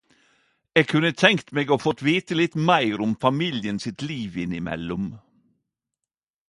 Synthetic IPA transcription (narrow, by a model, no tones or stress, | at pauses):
eːɡ̚kʰʉnət̪ʰɛŋkt̪meːɡoːfɔt̪ʋeːt̪əlɪt̪mæɪɾʊmfɑmiːljənsɪt̪liːʋɪnɪmɛ̰lʊm